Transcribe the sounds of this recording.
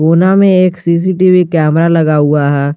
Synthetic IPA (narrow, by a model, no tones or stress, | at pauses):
oːnamẽeːksiːs̬iʈiʋikɛːmɾalɐɡaɦuaɦɛː